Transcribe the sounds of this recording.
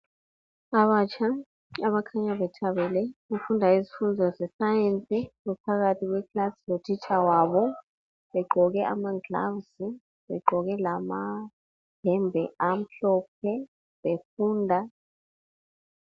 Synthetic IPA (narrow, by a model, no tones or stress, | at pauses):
aβat͡ʃʰʼa | aβakʰaɲaβɛtʰaβɛlɛɣufundʱaizifundʱɔzɛsajent͡sʼiɣɛpʰaɣatʰiɣwɛkʰlasilod̥ʰʱit͡ʃʼawaβɔ | βɛɡ͡ǃʱɔɣɛʔa̰maɡla̰wsi | βɛ̰ɡ͡ǃʱɔɣɛlama | ɦɛmbʱɛam̩ɬɔp̚ʰɛ | βefuːndʱa